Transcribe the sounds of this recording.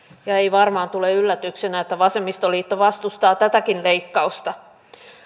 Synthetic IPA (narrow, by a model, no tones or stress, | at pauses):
jɑeiʋɑrmɑːnt̪uleylːæt̪yksenæet̪ːæʋɑsemːist̪oliːt̪ːoʋɑst̪ust̪ɑːt̪æt̪ækinleikːɑust̪ɑ